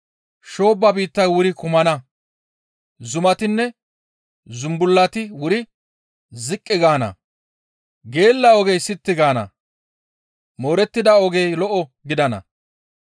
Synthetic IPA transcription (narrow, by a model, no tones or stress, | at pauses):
ʃo̞ːbːɐbiːt̪ːɐjwʊɾɪkʊmɐnɐ | zʊmɐt̪ɪnːɛ | zʊmbʊlːɐt̪ɪwʊɾɪ | zɪkʼːɪɡaːnɐ̰ | ɡe̞ːlːɐɔɡejsɪt̪ːɪɡaːnɐ̰ | mo̞ːɾɛt̪ːɪd̪ɐɔɡejlɔʔɔɡɪd̪ɐnɐ̰